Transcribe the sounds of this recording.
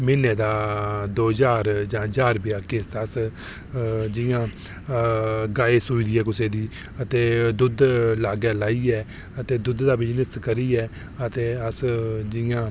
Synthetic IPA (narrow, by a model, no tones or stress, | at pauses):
mɪneːd̪aːd̪oːd͡ʒaːɾd͡ʒãːd͡ʒaːɾbɪjaːkɪst̪ːs | d͡ʒɪjãː | ɡaːeːsuːid̪iːɛːkʊseːd̪iː | ət̪eːd̪ʊd̪laːɡɛːlaːiːɛː | ət̪eːd̪ʊd̪d̪aːbɪd͡ʒnəskəɾiːɛː | ət̪eːəsd͡ʒɪjãː